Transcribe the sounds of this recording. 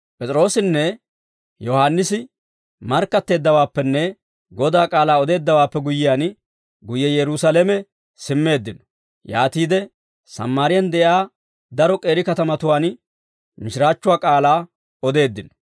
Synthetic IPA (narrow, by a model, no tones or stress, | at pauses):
pʼɛt͡sʼɪɾo̞ːsɪnːɛ | jɔhaːnːɪsɪ | mɐɾkːɐt̪ːe̞ːd̪ːɐwaːpːɛnːɛ | ɡɔd̪aːkʼaːlaːɔd̪e̞ːd̪ːɐwaːpːɛɡʊjːɪjaːn | ɡʊjɛjɛɾʊsɐlɛmɛ | sɪmːe̞ːd̪ːɪnɔ̥ | ja̰ːt̪iːd̪ɛ | sɐ̰mːaːɾɪjɐnd̪ɛʔjaː | d̪ɐɾɔkʼe̞ːɾɪkɐt̪ɐmɐt̪ʊwaːn | mɪʃɪɾaːt͡ʃːʊwaːkʼaːlaː | ɔd̪e̞ːd̪ːɪnɔ̥